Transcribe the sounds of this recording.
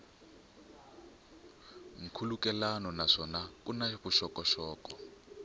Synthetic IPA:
ŋ̩kʰulukɛlanɔnaʂɔnakʼunaɸuʃɔkɔʃɔːkɔ

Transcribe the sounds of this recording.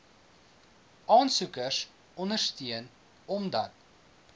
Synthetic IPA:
ʔɑːnsukəs | ɔnərstiən | ɔmdɐt̚

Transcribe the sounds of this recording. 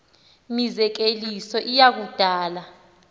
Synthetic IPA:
mizɛk̬elisɔʔijak̬ud̥ʱaːla

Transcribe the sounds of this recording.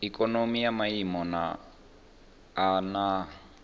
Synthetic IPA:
ikʼɔnomijamaimɔna̰ | na

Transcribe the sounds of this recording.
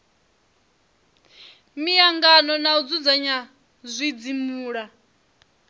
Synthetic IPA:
mijaŋɡanɔnaud͡zud͡zaɲa | zʷid͡zimuːɺa

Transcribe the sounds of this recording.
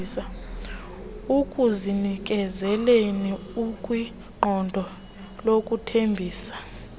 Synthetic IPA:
sa | ukʼuzinik̬ʼɛzɛleniukʼwi | ŋ͡ǃɔndʱɔ | lokʼutʰembʱiːsḁ

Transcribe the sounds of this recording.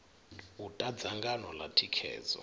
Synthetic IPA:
utʼadd͡zʱaŋɡanɔlatʰikʰɛ̰ːzɔ̰

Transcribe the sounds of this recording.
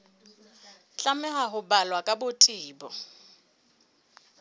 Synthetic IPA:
ɬʼamɛɦaɦʊbalwakʼabʊtʰʼiːbɔ

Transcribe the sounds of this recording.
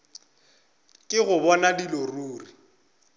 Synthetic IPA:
kʼɪɣʊbɔnadiloruːri

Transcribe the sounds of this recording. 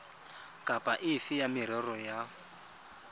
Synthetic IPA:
kʼapʼaʔɪfɪjamɪɾɛrɔja

